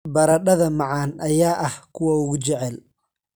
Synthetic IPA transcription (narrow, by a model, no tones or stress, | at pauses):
bɐɾɐɖɐðɐmɑʕɑːnʔɐjaːʔɐhkʰʊwɐʊɣʊt͡ʃɛʕɛl